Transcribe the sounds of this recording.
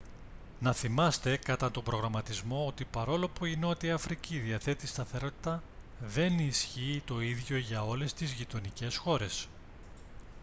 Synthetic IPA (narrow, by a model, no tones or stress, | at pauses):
nɐθimɐst̪e̞kɐt̪ɐt̪o̞mbɾo̞ɣɾɐmɐt̪izmo̞ot̪ipɐɾo̞lo̞puino̞t̪iɐɐfɾiciðiɐθe̞t̪ist̪ɐθe̞ɾo̞t̪i̥t̪ɐ | ðe̞nisçiːt̪o̞iðʝo̞ʝɐo̞le̞st̪izʝit̪o̞nice̞sxo̞ɾe̞s